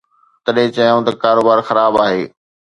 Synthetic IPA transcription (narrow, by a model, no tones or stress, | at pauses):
t̪ɐɗɦɪ̃t͡ɕɐjõt̪ɐkaːɾoːbaːɾxɐɾaːbaːɦeː